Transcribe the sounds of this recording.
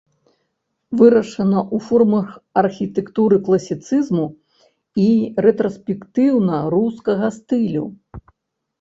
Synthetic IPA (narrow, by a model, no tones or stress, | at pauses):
vɨɾɐʂɐnɐʔufɔrmɐxɐrxʲit̪ɛkt̪uɾɨklˠɐsʲit̪sɨzmu | iɾɛt̪ɾɐsʲpʲɛkt̪ɨwnɐɾuskɐɣɐst̪ɨlʲṵ